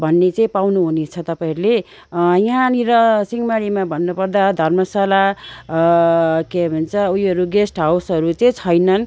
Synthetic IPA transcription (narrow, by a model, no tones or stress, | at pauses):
bʱʌnːet͡sʌĩpawnuɦunet͡sʰʌt̪ʌpaĩʌɾule | jɦãniɾʌsiŋmaɽimabʱʌnːupʌrd̪ad̪ʱʌrmʌsala | kemunt͡sʰʌujʌɾuɡesʈɦawsʌɾut͡sʌĩt͡sʰʌjnʌn